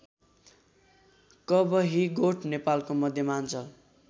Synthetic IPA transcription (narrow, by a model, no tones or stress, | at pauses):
kʌbʌɦiɡoʈʰnepalkomʌd̪ʱjʌmant͡sʰʌ